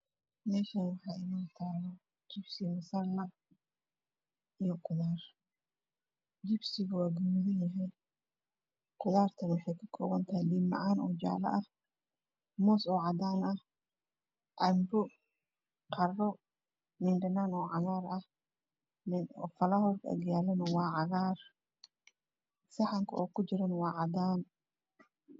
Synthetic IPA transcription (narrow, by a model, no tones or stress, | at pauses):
mɛːʃɐnwɑħɑːʔɪnaːnt̪ʰaːlɐ | t͡ʃɪbsɪmɐsɐrnɐɡ | ijɔqʊðaːr | d͡ʒɪbsɪɣɐwaːɡɐmʊðɐnjɐɦɛj | qʊðaːrt̪ʰɐnwɑħɑjkʰɐkʰɔːɣɐnt̪ʰɐhɛlimːɑ̰ʕaːnɔːd͡ʒa̰ːlɐ̰ʔɐh | mɔːsɔːʕɑd̪aːnɐh | ʔɐmbʊ | qʰɑrɔ | mɪnɖɐnaːnɔːʕɑɣaːrɐh | ɪɔfɐlɐhɔrɡɐ̰ɣjaːlɐnɐwɑːʕɑɣaːr | sɐħɑŋkʰɐ̰ʔɔːkʰʊt͡ʃɪɾɐnwɑːʕɑd̪aːn